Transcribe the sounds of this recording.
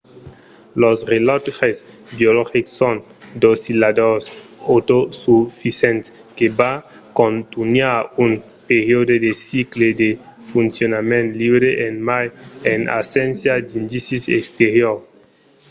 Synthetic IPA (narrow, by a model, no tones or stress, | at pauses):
losʁelɔt̪ʁes | bjolɔxiksːon | d̪osilad̪osot̪osufisɛ̃nt̪ | keba | kõnt̪unjaun | peɾjod̪od̪esikled̪efunsjonamẽnt̪libɾeʔenmajena̰sɛ̃nsjad̪ind̪isisḛkst̪eɾjoɾ